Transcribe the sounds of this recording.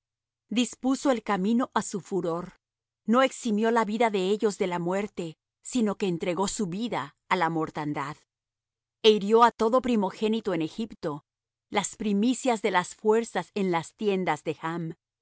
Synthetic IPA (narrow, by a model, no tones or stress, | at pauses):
d̪ispuso̞e̞lkamĩno̞ʔasufuɾo̞ɾ | no̞e̞ksimjo̞laβiðaðe̞eʝo̞zðe̞lamwe̞ɾt̪e̞ | sino̞ke̞ːnt̪ɾe̞ɣo̞suβiðaː | lamo̞ɾt̪and̪að | e̞iɾjo̞at̪o̞ðo̞pɾimo̞xe̞nit̪o̞ene̞xipt̪o̞ | laspɾimisjazðe̞lasfwe̞ɾsase̞nlast̪je̞nd̪azðe̞xam